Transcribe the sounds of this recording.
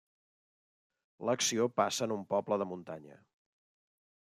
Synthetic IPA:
ləksiopasəːnumpɔbləðəmunt̪aɲə̰

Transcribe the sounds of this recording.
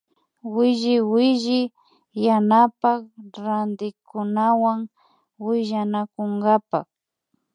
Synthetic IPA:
wɪʒɪwɪʒɪ | janapakɾand̪ɪkʊnawaŋ | wɪʒanakʊŋɡapa̰k

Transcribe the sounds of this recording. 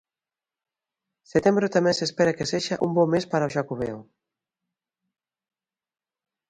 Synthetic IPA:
set̪embɾʊt̪amɛ̃nsespeɾakeseʃaʔumbɔmːespaɾaoʃakuβḛw

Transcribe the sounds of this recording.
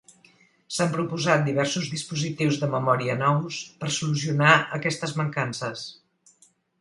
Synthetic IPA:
sampɾupuzat̪̚d̪iβɛɾsuzðispuzit̪iwzðəməmɔɾiənɔwspərsulus̬iunaəkɛst̪əzməŋkansəs

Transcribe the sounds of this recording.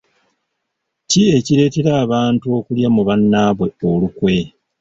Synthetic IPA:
cie̞cile̞ːteɾaːβaːntuo̞ːkuljamuβanːaːβwe̞olukwe̞

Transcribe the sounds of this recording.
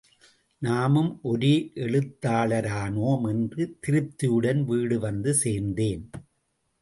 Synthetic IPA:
naːmɯmʔɔɾiʔɛɭɯt̪ːaːɭɐɾaːnoːmɛndrɯt̪ɪɾɯp̚t̪ːɪjɯɽɐnʋiːɽɯʋɐnd̪ɯseːɾnd̪eːn

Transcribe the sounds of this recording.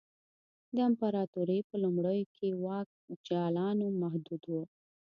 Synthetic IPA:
d̪əɪmpaɾɑt̪uɾepəlumɽəjokʰewɑk̚d͡ʒɑlɑnomaɦd̪ud̪wo

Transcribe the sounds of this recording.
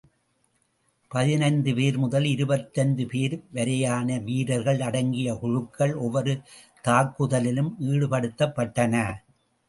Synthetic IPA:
pɐðɪnɐɪnd̪ɯpeːɾmʊðɐlɪɾɯbɐt̪ːɐnd̪ɯpeːɾʋɐɾɐjaːnɐʋiːɾɐɾɣɐɭɐɽɐŋɡɪjɐkʊɻɯkʰːɐɭɔʋɐɾɯ | t̪aːkːɯðɐlɪlɯmiːɽɯpɐɽɯt̪ːɐpːɐʈːɐnɐ

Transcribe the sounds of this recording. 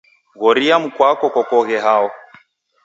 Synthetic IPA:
ɣɔɾiam̩kwakɔkɔkɔɣɛɦaɔ

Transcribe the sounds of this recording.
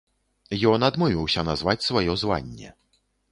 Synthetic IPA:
jɔnad̪muvʲiwɕɐnazvat͡ɕʲsvɔjɔzwa̰ɲʲːɛ̰

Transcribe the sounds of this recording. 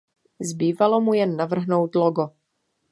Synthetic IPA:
zbiːvalomujɛnːavr̩ɦnowt̪loɡo

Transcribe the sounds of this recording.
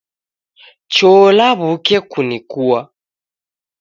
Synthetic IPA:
t͡ʃɔlaβukɛkunikuwa

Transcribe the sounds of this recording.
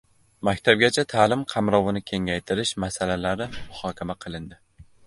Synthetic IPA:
makʲt̪ʰab̚ɡʲat͡ʃʰat̪ʰaːlɪmqʰɑmɾɒvɪnɪkʲʰe̞ŋajt̪ʰɪɾɪʃmasalalaɾɪmʊhɒkʲamaqʰɨlˠɪnd̪ɪ

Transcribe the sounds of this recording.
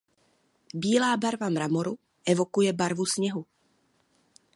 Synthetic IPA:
biːlaːbaɾvamɾamoɾu | ʔɛvo̞kujɛbaɾvusɲɛɦu

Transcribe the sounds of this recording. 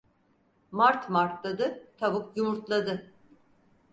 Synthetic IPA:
maɾt̪maɾt̪lˠad̪ɯt̪ʰabukjumuɾt̪lˠad̪ɯ

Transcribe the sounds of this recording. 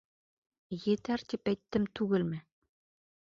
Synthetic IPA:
jet̪æɾt̪ipæjt̪ːɘmt̪ʰʉɡɘ̆lmɘ

